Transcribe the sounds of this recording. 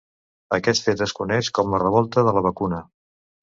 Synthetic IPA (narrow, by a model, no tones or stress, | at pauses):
əkɛt̪fet̪əskunɛʃkɔmlərəβɔlˠt̪əðələβ̞əkunə